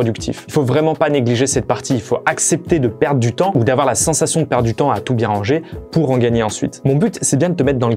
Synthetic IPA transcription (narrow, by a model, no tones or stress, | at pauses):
ɔd̪ykt̪ʰḭfilfovʁɛmɑ̃paneɡliʒesɛt̪̚paʁt̪ʰiːlfoʔaksɛp̚t̪ed̪əpɛʁd̪ʁd̪yt̪ɑ̃ud̪avwaʁlasɑ̃sasjɔ̃d̪əpɛʁd̪d̪yt̪ɑ̃at̪ubjɛ̃mɑ̃ʒepuʁɑ̃ɡaɲeɑ̃sɥḭt̪mɔ̃byt̪sɛbjɛ̃d̪ət̪əmɛt̪χd̪ɑ̃lə